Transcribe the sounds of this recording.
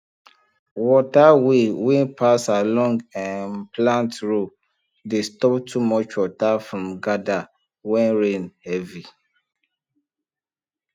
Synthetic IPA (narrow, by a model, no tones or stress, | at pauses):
wɔtawewĩnpʰasalɔ̃ŋɡãnplãntɹo | destɔptʰumɔt͡ʃwɔtafɹɔ̃mɡada | wɛ̃nɹẽnhɛvi